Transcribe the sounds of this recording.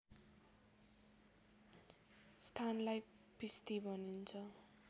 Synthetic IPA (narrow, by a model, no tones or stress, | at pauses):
st̪ʰanlaj | pist̪ibʱʌnint͡sʰʌ